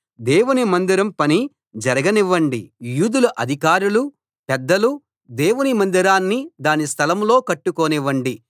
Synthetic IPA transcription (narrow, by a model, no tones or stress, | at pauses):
d̪ɛːwunimɐnd̪iɾɐmpɐni | d͡ʒɐɾɐɡɐniʋːɐɳɖijuːd̪ulɐʔɐd̪ʱikaːɾulu | pɛd̪ːɐlu | d̪ɛːwunimɐnd̪iɾaːnːid̪aːnist̪ʰɐlɐmlo̞ːkɐʈːukoːniʋːɐɳɖi